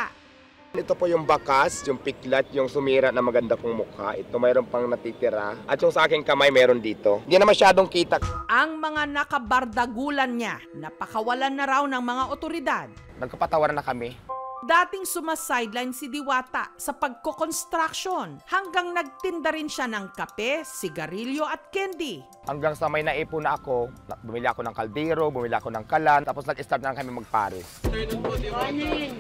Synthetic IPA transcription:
a | nɪt̪opojʊŋbakasjʊŋpɪklɐt̪̚jʊŋsʊmiːɾaʔnɐmɐɡɐnd̪akoŋmʊkʰa̰ʔɪt̪omɛːɾonpɐŋnɐt̪it̪ɪɾaʔɐt̪jʊŋsɐʔaːkɪŋkɐmajmɛːɾond̪iːt̪o̞ninɐmɐʃaːd̪oŋkiːt̪aʔɐŋmɐŋanɐkɐbɐɾd̪ɐɡuːlɐnɲanɐpɐkɐwɐlanːɐɾawnɐŋmɐŋaʔot̪oɾɪd̪ad̪̚ | nɐɡ̚kɐpɐt̪ɐwaɾnɐkɐmɛd̪aːt̪ɪŋsʊmasajd̪lajnsɪd̪ɪwaːt̪a̰sɐpɐɡ̚kokonst̪ɾakʃonhɐŋɡaŋnɐɡ̚t̪ɪnd̪aɾɪnʃanɐŋkɐpɛsɪɡɐɾiljo̞ʔɐt̪̚kɛnd̪i | hɐŋɡaŋsɐmɐjnɐʔiːpʊnɐʔɐkobʊmɪlɪʔɐkonɐŋkɐld̪ɛːɾobʊmɪlɪʔɐkonɐŋkalant̪aːposnɐɡɪst̪aɾt̪nɐɾɐŋkɐmiŋmɐɡ̚pa̰ːɾɪs

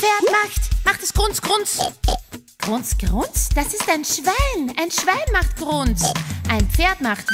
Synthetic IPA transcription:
feːɐtmaxtmaχtɛsɡ̥ʁʊnt͡sɡ̥ʁʊnt͡s | ɡ̥ʁʊnt͡sɡ̥ʁʊnt͡sd̥asɪstaɪnʃv̥aɪnʔaɪnʃv̥aɪnmaχtɡ̥ʁʊnt͡sʔaɪnpfeːɐtmaxt

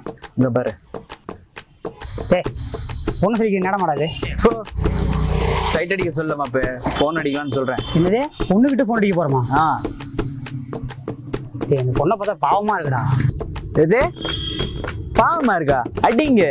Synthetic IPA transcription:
ɪŋɡɐp̬aːɾɯ | t̪eː | pɔnːɐsɐlːɪkːɾnɛːɽɐmaːɽaːðɯpoː | sɐɪʈːɐɽɪkːɐs̬ɔlːɐmapːeːfoːnɐɽɪkːɐlaːnːɯsɔlɾẽːɪnːɐðeːpɔɳːɯʋɪʈːɯfoːnɐɽɪkːɐpoːɾɐmaːaː | t̪eɛnd̪ɐpɔɳːɐpoːt̪ːapaːʋɐmaːɪɾɯkːɯt̪ã̰ː | eðeː | paːʋɐmaːɪɾɯkːaːɐʈːiŋɡɐ

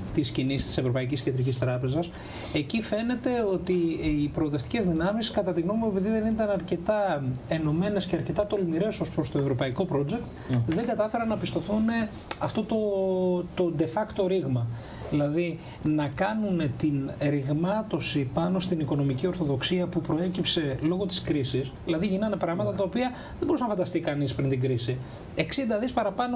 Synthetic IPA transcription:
t̪iscinist̪i̥se̞vɾo̞pɐiciscend̪ɾic̬ist̪ɾɐpe̞zɐs | e̞cife̞ne̞t̪e̞o̞t̪iːpɾo̞ːðeft̪i̥cezðinɐmiskɐt̪ɐt̪iɣnomiopiðiðe̞nit̪ɐnɐɾce̞t̪ɐeno̞me̞ne̞sceɐɾce̞t̪ɐt̪o̞lmiɾe̞so̞spɾo̞st̪oe̞vɾo̞pɐiko̞pɾo̞d͡ʒe̞kt̪ | ðe̞ŋɡɐt̪ɐfe̞ɾɐnːɐpist̪o̞θune̞ | ɐft̪o̞t̪o̞t̪o̞d̪e̞fɐkt̪o̞ɾiɣmɐ | ðilɐði | nɐkɐnune̞t̪inɾiɣmɐt̪o̞sipɐno̞st̪iniko̞nomicio̞ɾθo̞ðo̞ksiɐpupɾo̞e̞cipse̞lo̞ɣo̞t̪iskɾisisðilɐðiʝinɐnepɾɐɣmɐt̪ɐt̪ɐopiɐ | ðemboɾusɐnɐfɐnd̪ɐst̪ikɐnispɾind̪iɡɾisi | e̞ksind̪ɐðispɐɾɐpɐno̞

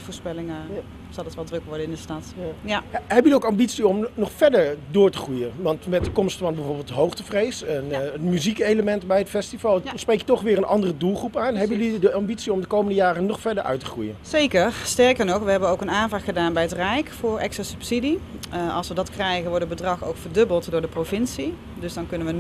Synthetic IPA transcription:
vʊːɹspɛlɪŋ | z̥ɑlˠɑtʋɛlˠdrɵkʋɔɹdəɪndəstɑtaɦɛpjəliowkɑmbitsiɔmnɔχfɛɹdəɹdʊːɹtəχrujənʋɑntmɛt̚dəkɔmstfɑnbɛvʊːɹbɪlˠtəɦowχtəvrejsənəmyzikejləmɛntbɛjətfɛstivɑlˠsprejkjətɔχʋɪːɹənʔɑndərədulˠχrupaːnɦɛpjəlidəɑmbitsiɔmdəkowməndəjaːrənɔχfɛɹdəɹʔœ̰ɥtəχrṵjə̰nzejkəɹstɛɹkəɹnɔχʋəɦɛbənowkənaːnvaːtχədaːnbɛjətrɛjkfʊːɹɛ̰ksasɵpsidiɑ̰lˠsʋədɑtkrɛjɣənʋɔɹdəbədrɑχo̰wkfəɹdɵbəlˠtdʊːɹdəprowvɪnsi | dɵzdɑnkɵnənʋə

